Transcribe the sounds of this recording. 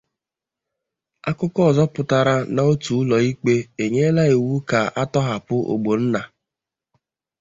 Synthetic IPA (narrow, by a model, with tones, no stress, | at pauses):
a˦kʊ˦kɔ˦ɔ˦˨zɔ˦pʊ˨ta˨ɾa˦na˨o˦tu˨˦lɔ˨i˦k͡pe˦e˨ɲe˦la˦e˨wu˦ka˨ʔa˦tɔ˦ɦa˨pʊ˦ʔo̰˨ɡ͡bo˨n̩˦na˨